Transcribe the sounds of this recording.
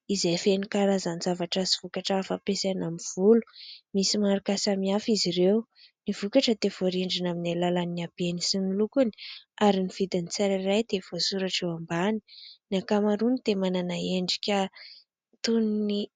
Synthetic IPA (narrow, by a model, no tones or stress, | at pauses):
izejfenikaɾazanzavaʈ͡ʂaziv̥ukaʈ͡ʂaafapesanamiv̥ulu̥misimaɾukasamiafiziɾew | nivukaʈ͡ʂəd̪ev̥oɾiɳɖ͡ʐinaminalalaniab̥ienisinilukuni̥aɾiniv̥id̪init͡saɾirajd̪̥ev̥osuɾaʈ͡ʂewambani̥niakamaɾunit̪emananaeɳɖ͡ʐi̥kʲə | t̪unni